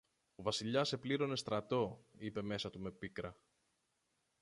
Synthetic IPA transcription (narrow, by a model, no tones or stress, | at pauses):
ovɐsiʎɐse̞pliɾo̞ne̞st̪ɾɐt̪o̞ipe̞me̞sɐt̪ume̞pikɾɐ